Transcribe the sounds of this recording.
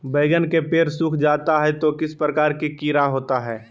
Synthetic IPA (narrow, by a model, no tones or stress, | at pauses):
beːɡənkepeːɾsuːkʰd͡ʒaːt̪aɦɛt̪okɪspɾɐkaːɾkikiːɾaɦoːt̪aɦɛː